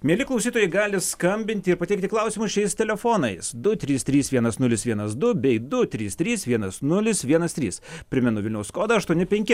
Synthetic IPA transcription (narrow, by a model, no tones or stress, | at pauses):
mʲiɛlʲɪklˠɐʊsʲiːt̪oːjɛɪɡɑːlʲɪskɐmʲbʲɪnʲt̪ʲɪɪɾpɐt̪ʲɛɪkt̪ʲɪklˠɐʊsʲiːmʊsʃʲɛɪst̪ʲɛlʲɛfoːnɐɪsd̪ʊt̪ʲɾʲiːst̪ʲɾʲiːsʋʲiɛnɐsnʊlʲɪsʋʲiɛnɐsd̪ʊbʲɛɪd̪ʊt̪ʲɾʲiːst̪ʲɾʲiːsʋʲiɛnɐsnʊlʲɪsʋʲiɛnɐst̪ʲɾʲiːspʲɾʲɪmʲɛnʊʋʲɪlʲnʲɛʊsskoːd̪ɐɐʃt̪uɔnʲɪpʲɛŋʲkʲɪ